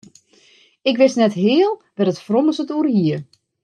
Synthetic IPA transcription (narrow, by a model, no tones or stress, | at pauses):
ɪkʋɪsnɛtɦɪːəlˠʋɛrətfrɔməsətuərhiər